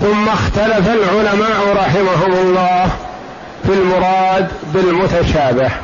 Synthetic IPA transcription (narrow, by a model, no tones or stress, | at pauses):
θʊmːaxt̪alafalʕʊlamaːʔɾˤɑħɪmaɦʊmʊlˤːɑːh | fɪlmʊɾˤɑːd̪bɪlmʊt̪aʃaːbɪh